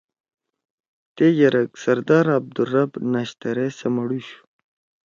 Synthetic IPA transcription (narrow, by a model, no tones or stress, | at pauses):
t̪ejɐɾɐksɐɾd̪aːɾab̚d̪urɐbnaɕt̪ɐɾesɐmɐɽuɕu̥